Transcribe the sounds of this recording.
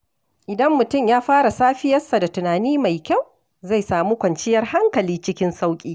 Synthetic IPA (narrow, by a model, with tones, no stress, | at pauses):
ʔɪ˨dɐ˦mːʊ˨tʊ˦˨mjaː˦ɸaː˦ɽa˨saː˦ɸɪ˦jɐ˦sːa˨da˨tʊ˨naː˨niː˦ma˨jkʲa˦˨w | za˦˨jsaː˨muː˦kʷɐ˨nt͡ʃɪ˦jɐ˦rha˦ŋkɐ˨liː˦t͡ʃɪ˦kʲɪ˦nsa˦wkʲʼiː˦